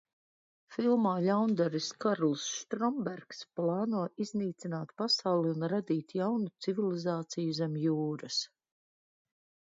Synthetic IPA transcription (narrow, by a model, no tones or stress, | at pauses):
filˠmaːlawnd̪aɾiskaɾlˠsʃt̪ɾɔmbɛɾksplˠɑːnuɔizniːt̪sʲinaːt̪pasawlˠiunɾad̪iːt̪jawnut̪sivilˠizaːt̪sijuzɛmjuːɾɐs